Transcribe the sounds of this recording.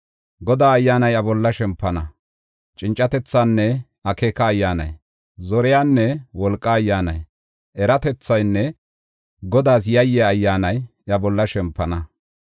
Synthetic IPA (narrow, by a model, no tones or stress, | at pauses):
ɡɔd̪aːɐjːaːnɐjɐbɔlːɐʃɛmpːɐnɐ | t͡ʃʼɪnt͡ʃʼːɐt̪ɛt͡sːaːnːɛ | ɐkeːkɐːjːaːnɐ̰j | zɔɾɛjaːnːɛwɔlkʼːɐːjːaːnɐ̰j | ʔɛɾɐt̪ɛt͡sːɐjnːɛ | ɡɔd̪aːs̬jɐjːɛɐjːaːnɐj | ɐbɔlːɐʃɛmpːɐnɐ